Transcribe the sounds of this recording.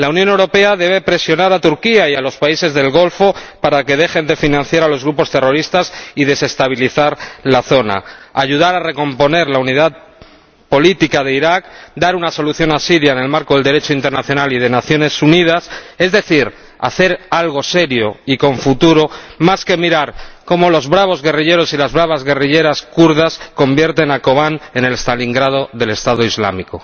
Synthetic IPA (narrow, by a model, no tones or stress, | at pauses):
launjone̞wɾo̞pe̞aðe̞βe̞pɾe̞sjo̞naɾat̪uɾkiaialo̞spaise̞zðe̞lɣo̞lfo̞paɾake̞ð̞e̞xe̞nd̪e̞finãn̟θjaɾalo̞zɣɾupo̞st̪e̞ro̞ɾist̪asiðe̞se̞st̪aβ̞iliθaɾlaθo̞na̰aʝuð̞aɾare̞ko̞mpo̞ne̞ɾlauniðað | po̞lit̪ikaðe̞iɾak̚d̪aɾunaso̞luθjo̞nasiðjaene̞lmaɾkoðeld̪e̞ɾe̞t͡ʃoint̪e̞ɾnaθjo̞nalið̞e̞naθjo̞ne̞sunið̞ase̞zðe̞θiɾ | a̰θe̞ɾalɣ̞o̞se̞ɾjo̞iko̞ɱfut̪uɾo̞maske̞miɾaɾko̞mo̞lo̞zβɾaβ̞o̞zɣe̞riʎe̞ɾo̞silazβɾaβ̞azɣe̞riʎe̞ɾaskuɾð̞asko̞mbje̞ɾt̪e̞nako̞βane̞ne̞lest̪aliŋɡɾað̞o̞ðe̞le̞st̪aðoizla̰miko̞